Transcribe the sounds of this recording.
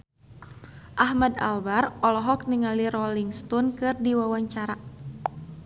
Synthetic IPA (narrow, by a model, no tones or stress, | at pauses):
ʔahmada̰lbarɔlɔɦɔk̚niŋaliɾɔliŋst̪ɔnkɨrdiwawaɲt͡ʃaɾa